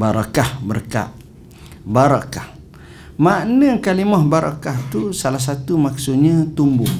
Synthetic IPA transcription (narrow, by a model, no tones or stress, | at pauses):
baɾakahbərka̰ʔ | baɾakah | maʔnəkalimɔhbaɾa̰kaht̪usalahs̬at̪umak̚sʊʔ̪̚ɲat̪umbʊh